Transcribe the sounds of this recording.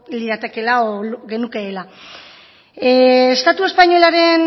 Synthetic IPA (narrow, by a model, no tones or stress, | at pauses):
liðat̪e̞ke̞laoɣe̞nuke̞ːla | est̪at̪ue̞spaɲo̞laɾe̞n